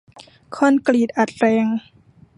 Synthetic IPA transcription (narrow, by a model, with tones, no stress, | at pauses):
kʰɔː˧˥˨nkliː˨˩t̪̚ʔa˨˩t̪̚ɾɛː˧ŋ